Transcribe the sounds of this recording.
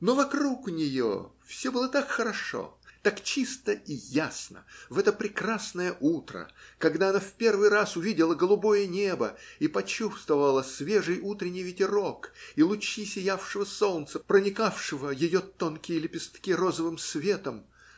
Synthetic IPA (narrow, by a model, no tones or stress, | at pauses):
novɐkɾuknʲɪjo̰fsʲobɨlˠət̪akxəɾɐʂo̰t̪akt͡ɕist̪əijasnə̰vɛt̪əpɾʲɪkrasnəjəʔut̪ɾə̰kɐɡd̪aɐnafpʲe̞rvɨjrasʊvʲidʲɪlˠəɡəlˠʊbo̞jənʲe̞bə̰ipɐt͡ɕust̪vəvəlˠəsvʲe̞ʐɨjut̪ɾʲɪnʲːɪjvʲɪtʲɪɾo̞kilˠʊt͡ɕisʲɪjafʂɨvəso̞lˠnt̪səpɾənʲɪkafʂɨvəjɪjo̞t̪onkʲɪjɪlʲɪpʲɪst̪kʲiɾozəvɨmsvʲe̞t̪əm